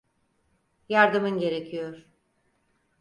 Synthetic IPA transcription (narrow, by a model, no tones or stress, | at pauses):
jaɾd̪ɯmɯnɟe̞ɾecʰijoɾ̥